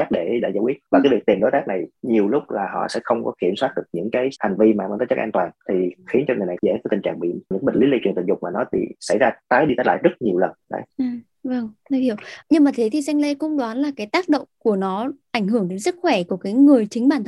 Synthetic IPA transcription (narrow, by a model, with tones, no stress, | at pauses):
a˦˥t̚ɗe˧˩ɗa̰ː˧˩zaː˨˧˦kwi˦˥t̚vaː˨˩aː˨˦jvi˨˩k̚t̪i˨˩mɗo˨˦jt̪aː˦˥k̚na˨˩jɲi˨˩əwlʊ˦˥k͡p̚laː˨˩ɦɔ̰˧˨sɛ̰˧˥xə˧wŋ͡mkɔ˨˦ki˧˩əmswaː˦˥t̚ɗɨ˨˩ək̚ɲɨ̰˧˥ŋkaː˨˦jha˨˩jŋ̟vi˧maː˨˩mə˧˦t̪ə˨˦jt͡ɕə˦˥ʔaː˧nt̪waː˨˩nt̪ʰi˨˩xi˨˦ənt͡ɕɔ˧ŋɨ˨˩əjna˨˩zɛ̰˧˥fəː˨˦jt̪i˨˩ŋt͡ɕa̰ː˧˨˩ŋɓḭ˧˨ɲɨ̰˧˥ŋəï˨˩ŋli˨˦li˧t͡ɕwi˨˩t̪ɨ˧˩ŋzʊ˨˩k͡p̚maː˨˩nɔ˨˦t̪ʰḭ˧˩sa̰˧˩jzaː˧t̪aː˨˦jɗi˧t̪aː˨˦jla̰ː˧˨jzə˦˥t̚ɲi˨˩əwlə˨˩nɗa̰˧˦j | və˨˩ŋt̪ə˨˦i˧˩˨wɲɨ˧ŋmaː˨˩t̪ʰe˨˦t̪ʰi˨˩sɛ˧ŋle˧kʊ̰˧˥ŋ͡mɗwaː˨˦nlaː˨˩kaː˨˦jt̪aː˦˥k̚ɗo̰˧˨wŋ͡mku˧˩ənɔ˨˦ʔa˧˩jŋ̟ɦɨ˧˩əŋɗe˨˦ŋsɨ˦˥k̚xwɛ˧˩ku˧˩ə˩kaː˨˦jŋɨ˨˩əjt͡ɕï˨˦ŋ̟ɓaː˧˩nt̪ʰ